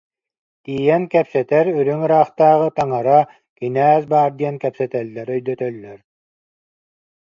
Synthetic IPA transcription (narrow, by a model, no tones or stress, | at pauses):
t̪iːjɛnkɛpsɛt̪ɛɾyɾyŋɯɾaːχt̪aːʁɯt̪aŋaɾa | kinæːsbaːɾd̪iɐnkɛpsɛt̪ɛlːɛɾœjd̪œt̪œlːœɾ